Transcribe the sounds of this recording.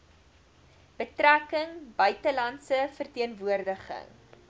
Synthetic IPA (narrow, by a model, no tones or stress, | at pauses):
b̥ətrækəŋbœɥtəlɐntsəfərtiənvuərdəχə̰ŋ